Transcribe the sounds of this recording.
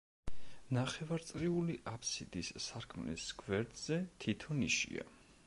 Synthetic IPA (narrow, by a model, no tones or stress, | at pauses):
naχɛvaɾt̪sʼɾiuliʔapʰsid̪̥isːaɾkʰmlḭskʰvɛɾd̪z̥ɛt̪ʰit̪ʰɔniʃḭa̰